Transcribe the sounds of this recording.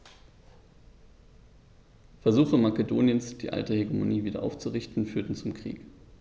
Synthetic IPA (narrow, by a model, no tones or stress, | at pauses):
fɛɐzuːχəmakedoːnjənsd̥iːʔa̰ltəheɡemo̰niːviːdɐ̰ʔa̰ʊft͡suʁɪçtn̩fyːɐtn̩t͡sʊmkʁ̥ḭːk